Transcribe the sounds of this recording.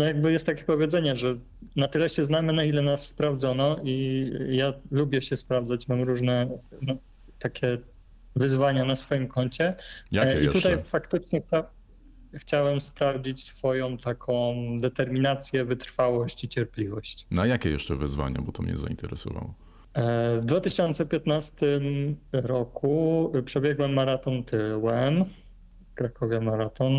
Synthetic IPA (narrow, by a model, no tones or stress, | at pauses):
nɔjaɡ̚bɘjɛst̪ːakʲɛ̥pɔvʲjɛdzɛɲɛʐɛ | nat̪ɘlɛɕɛznamɘnailɛnasːpɾavd̪zɔnɔijalubʲjɛɕɛspɾavd̪zat͡ɕmamɾuʐnɛna | t̪akʲʰɛ | vɘzvaɲanasfɔjimkɔɲt͡ɕɛjaɛit̪ut̪ajfakt̪ɘt͡ʂɲɛxt͡ɕaw | xt͡ɕawɛmspɾavd͡ʑit͡ɕsfɔjɔ̃w̃t̪akʰɔ̃w̃d̪ɛt̪ɛɾmʲinat̪sʲjɛvɘt̪ɾfawɔɕt͡ɕit͡ɕɛɾplʲivɔɕt͡ɕnajakʲɛjɛ̰ʂt͡ʂɛvɘzva̰ɲa̰bɔt̪ɔmɲɛ̰zaḭnt̪ɛɾɛsɔ̰va̰wɔ | vd̪vat̪ɘɕɔnt̪sɛpʲjɛt̪nast̪ɘmɾɔkupʂɛbʲjɛɡwɛmːaɾat̪ɔnt̪ɘwɛm | fkɾakɔvʲjɛmaɾat̪ɔn